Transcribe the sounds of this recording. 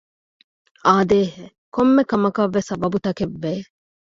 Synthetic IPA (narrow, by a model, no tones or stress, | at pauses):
aːd̪eːɦe | komːekɐmɐkɐʋːesɐbɐbut̪ɐkeʋːeː